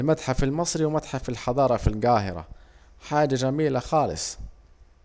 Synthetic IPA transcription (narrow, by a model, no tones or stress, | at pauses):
lmad̪ħafɪlmɨsˤɾiwmad̪ħafɪlħɑd̪ˤɑːɾˤɑfilɡaːɦɪ̰ɾa̰ | ħaːd͡ʒad͡ʒamiːlaxɑːlɪ̰s